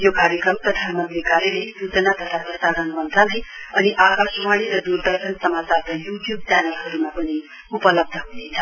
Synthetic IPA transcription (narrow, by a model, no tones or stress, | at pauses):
jokaɾjəkɾʌmpɾʌd̪ʱanmənt̪ɾikaɾjelesut͡sənat̪ʌt̪ʰapɾʌsaɾənbʌnt̪ʰaləjʌniʔakasumaɽ̃iɾʌd̪uɾd̪ʌɾsənsʌmat͡saɾkajuʈjub̚t͡ʃanəlɦʌɾumapʌni | upʌlʌb̚d̪ʱəɦunet͡sʰʌ̥